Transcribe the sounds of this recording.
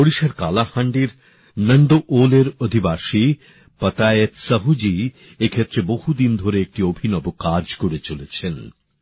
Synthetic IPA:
oɽiʃaɾkalahaɳɖiɾ | nəɳɖoʔoleɾod̪ʱibaʃi | pət̪ajet̪səɦud͡ʑi | ekʰet̪ːɾebohud̪ind̪ʱoɾeek̚ʈiobʱinɔbokad͡ʑkoɾet͡ɕolet͡ɕʰen

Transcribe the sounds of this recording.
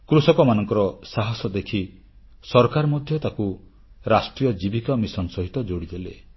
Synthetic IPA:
kɾusɔkɔmanɔŋkɔɾɔsaɦɔsɔd̪ekʰi | sɔɾkaɾmɔd̪ʱjɔt̪aku | ɾasʈɾijɔd͡ʒibikamisɔnsɔɦit̪ɔd͡ʒoɽid̪ele

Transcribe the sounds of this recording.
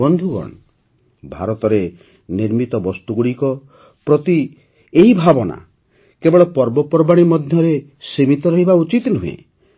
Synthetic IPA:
ɔnd̪ʱuɡɔ̰ɳ | bʱaɾɔt̪ɔɾe | niɾmit̪ɔbɔst̪uɡuɽikɔ | pɾɔt̪i | eɦibʱabɔna̰ | kebɔɭɔpɔɾbɔpɔɾbaɽ̃imɔd̪ʱjɔɾe | simit̪ɔɾɔɦibaut͡ʃit̪nuɦuḛ

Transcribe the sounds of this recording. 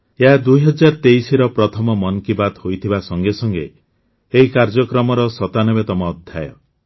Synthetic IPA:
eɦad̪ujɦɔd͡ʒaɾt̪eisiɾɔpɾɔt̪ʰɔmɔmɔnkibat̪hojt̪ʰibasɔŋɡesɔŋɡḛ | eɦikaɾd͡ʒɔkɾɔmɔɾɔsɔt̪anɔbet̪ɔmɔːd̪ʱja̰jɔ̰

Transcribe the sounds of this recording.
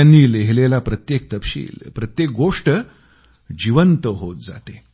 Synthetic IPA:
anːiːleɦlelapɾət̪jek̚t̪əpɕḭːlpɾət̪jek̚ɡoʂʈə | d͡ʑiʋənt̪əɦot̪̚d͡za̰t̪e

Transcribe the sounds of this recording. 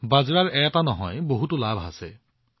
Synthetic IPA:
bazɹaɹɛjatanɔɦɔ̰jboɦutulabʱa̰se

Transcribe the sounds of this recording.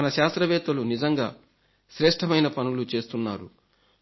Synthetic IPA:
ɐnɐʃaːst̪ɾɐʋɛːt̪ɐlunid͡ʒɐŋɡa̰ː | ʃɾɛːʂʈʰɐmɐjnɐpɐnulut͡ʃe̞ːst̪unːaːɾu

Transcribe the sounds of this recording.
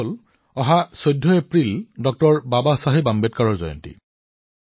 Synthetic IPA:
l | ɔɦasojdʱːɔepɹildɔk̚tɔɹbabasaɦebambet̚kaɹɔɹzɔ̰jɔ̰ntḭ

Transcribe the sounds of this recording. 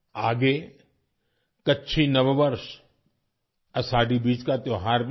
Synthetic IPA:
aːɡe | kɐtːʃʰinɐʋʋəɾʃ | ɐsaːɖibiːd͡ʒkat̪oːɦaːɾb

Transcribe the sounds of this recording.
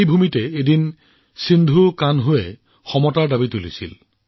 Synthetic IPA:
jbʱumitɛedin | sindʱukanɦʊɛ | xɔmɔtaɹdabitulisḭl

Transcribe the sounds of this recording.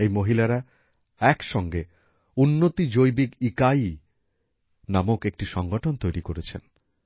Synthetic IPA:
ejmoɦilaɾa | ɛkʃɔŋɡe | unːot̪id͡ʑojbikikaj | namokek̚ʈiʃɔŋɡoʈʰont̪ojɾikoɾet͡ɕʰḛn

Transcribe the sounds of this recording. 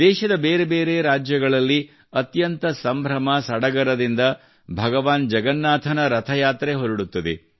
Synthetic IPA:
d̪ɛːʃɐd̪ɐbeːɾebe̞ːɾe̞ːɾaːd͡ʒjɐɡɐɭɐlːi | ɐt̪jɐnt̪ɐsɐmbʱɾɐmɐsɐɽɐɡɐɾɐd̪ind̪ɐ | bʱɐɡɐʋaːnd͡ʒɐɡɐnːaːt̪ʰɐnɐɾɐt̪ʰɐjaːt̪ɾeɦoɾuɽut̪ːɐd̪ḛ

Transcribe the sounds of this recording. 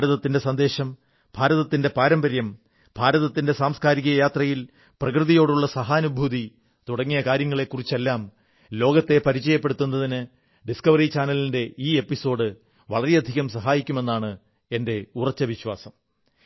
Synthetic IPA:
ɾɐðɐt̪ːinde̞sɐnd̪e̞ːɕɐm | b̥ʱaːɾɐðɐt̪ːinde̞paːɾɐmbɐɾjɐm | bʱaːɾɐðɐt̪ːinde̞saːmskaːɾiɣɐjaːt̪rɐjil | prɐkrɨðijo̞ːɽuɭːɐsɐɦaːɐnubʱuði | t̪uɽɐŋːijɐkaːɾjɐŋːɐɭe̞kːurit͡ɕːe̞lːaːm | lo̞ːɡɐt̪ːe̞pɐɾit͡ɕːɐjɐpːeɽut̪ːunːɐðinɨ | ɖiskɐʋɐrit͡ɕaːnɐlinde̞iːe̞pːiso̞ːɽɨ | ʋɐɭɐɾeɐd̪ʱiɣɐmsɐɦaːjikʲːume̞nːaːɳɨ | e̞nde̞urɐt͡ɕːɐʋiɕwa̰ːsɐm

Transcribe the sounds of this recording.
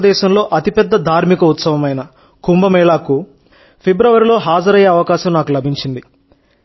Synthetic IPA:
d̪ɛːʃɐmlo̞ːʔɐt̪ipɛd̪ːɐd̪ʱaːɾmikɐut̪sɐʋɐmɐjnɐ | kumbɐmɛːɭaːku | pʰebɾɐʋɐɾilo̞ːɦaːd͡ʒɐɾɐjeːɐʋɐkaːʃɐmnaːkulɐbʱiɲt͡ʃind̪i

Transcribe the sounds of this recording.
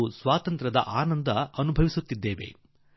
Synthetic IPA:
usʋaːt̪ɐnt̪ɾɐd̪ɐ̰ʔaːnɐnd̪ɐɐnubʱɐʋisut̪ːid̪ːeːʋe̞̰

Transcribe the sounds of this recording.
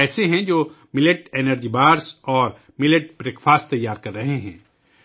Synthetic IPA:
ɛːseɦɛ̃d͡ʒoː | mɪleʈeːnəɾd͡ʒibaːɾsɔːɾ | mɪleʈ̚bɾeːkfʰaːst̚t̪ɐjːaːɾkɐɾːɐɦeɦɛ̃ː

